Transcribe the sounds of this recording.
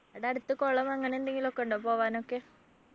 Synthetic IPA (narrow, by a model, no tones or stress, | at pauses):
ɐɽeɐɽɯt̪ːɨkoːɭɐmɐŋːɐneend̪ɐŋɡilokːeɳɖɐpoːʋaːnoːkːeː